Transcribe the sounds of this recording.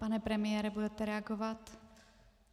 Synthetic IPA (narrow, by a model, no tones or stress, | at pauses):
panɛpɾɛmɪjɛːɾɛbudɛt̪ɛɾɛaɡovat̪